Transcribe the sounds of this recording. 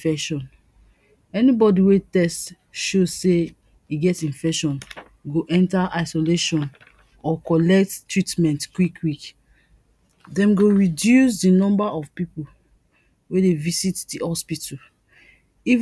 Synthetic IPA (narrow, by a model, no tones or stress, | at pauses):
fɛʃɔ̃n | ɛnibɔdiwetɛst | ʃozse | iɡɛtĩnfɛkʃɔ̃n | ɡoʔɛ̃ntaʔaɪsoleʃɔ̃n | ɔkɔlɛk̚ttːɹitmɛ̃ntkwikʰwik | dɛ̃mɡoɹidjus̬dinɔ̃mbaʔɔvpipu | wedevisitdihɔspitu | iv